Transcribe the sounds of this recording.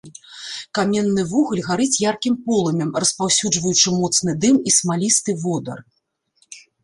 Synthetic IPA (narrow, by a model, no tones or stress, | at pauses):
kamʲɛnːɨvuɣɐlʲɣaɾɨt͡sʲjarkʲimpɔlˠɐmʲɛmrɐspawsʲud͡ʐvɐjut͡ʂɨmɔt̪sn̪ɨd̪ɨmismalʲist̪ɨvɔd̪ɐ̰r